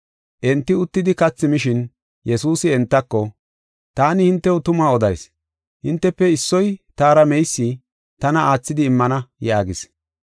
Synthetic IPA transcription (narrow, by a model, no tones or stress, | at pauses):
ʔɛnt̪ːɪʊt̪ːɪd̪ɪkɐt͡sːɪmɪʃɪn | jɛsuːsɪɛnt̪ːɐkːɔ | t̪aːnɪhɪnt̪ːɛwʊt̪ʊmaːɔd̪ɐjs | hɪnt̪ːɛpːɛɪsːɔjt̪aːɾɐmɛjsːɪ | t̪ɐnɐaːt͡sːɪd̪ɪːmːɐnɐjaːɡɪs